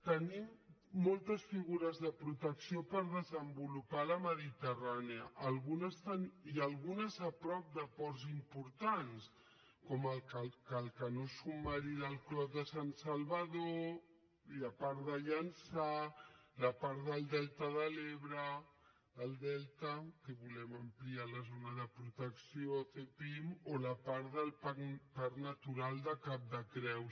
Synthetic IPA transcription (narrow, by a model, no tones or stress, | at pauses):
t̪ənimːolˠt̪əsfiɣuɾəzðəpɾut̪əksiopəɾð̞əzəmbulupaləməðit̪əraneəʔːlˠɣunəst̪aniəlˠɣunəzəpɾɔp̚d̪əpɔɾzimpuɾt̪ans | kɔməlkəkəlˠkənosumaɾiðəlˠklɔðəsansalβəðoo | ilapaɾðəʎansalapaɾðəlˠd̪ɛlt̪əðəleβɾəː | lˠd̪ɛlt̪əkəβulɛməmplialəzonaðəpɾut̪əksiot̪epimolapaɾðəlpakpaɾnat̪uɾalˠd̪əkap̚d̪əkɾɛws